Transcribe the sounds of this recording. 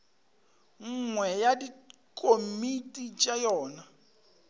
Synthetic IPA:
ŋ̩ŋwɛjadi | kʼomitʼit͡ʃʼajɔːna

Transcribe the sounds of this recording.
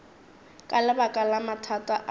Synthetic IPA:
kʼalɪbakʼalamatʰatʼaʔ

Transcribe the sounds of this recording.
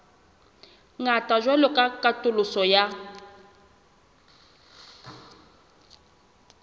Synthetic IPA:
ŋatʼaʒwɛlɔkʼakʼatʼʊlʊsɔja

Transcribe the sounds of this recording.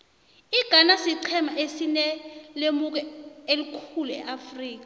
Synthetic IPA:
iɡ̥ʱanasiǀʰɛmaʔesinɛlemuk̬ɛelikʰuluɛ̰ʔafriːk̬a

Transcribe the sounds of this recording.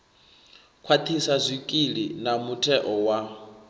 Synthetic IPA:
kʰwat̪ʰisazʷikʼilinamutʰɛʔɔwa

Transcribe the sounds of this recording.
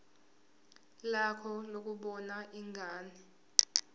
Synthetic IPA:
lakʰɔlok̬uɓɔnaʔiŋʱaːni

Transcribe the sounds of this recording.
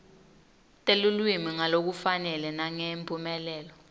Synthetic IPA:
tʼelulwimiŋalok̬ufanɛlɛnaŋempʰʼumɛlɛːlɔ

